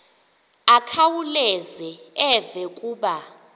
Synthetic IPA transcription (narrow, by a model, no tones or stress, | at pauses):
akʰawulɛzɛɛvɛkʼuːɓa